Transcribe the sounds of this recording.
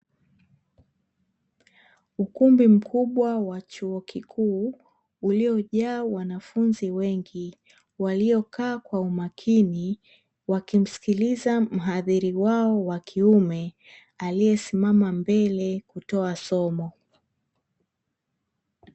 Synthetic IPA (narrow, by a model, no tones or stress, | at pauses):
ukumbim̩kʰuɓwawat͡ʃuɔkʰikʰuː | uliɔʄaːwanafunziwɛŋɡi | waliɔkaːkwaumakʰini | wakim̩si̥kilizam̩ɦaðiɾiwaɔwakʰiumɛ | alijɛsimamambɛlɛkutɔasɔmɔ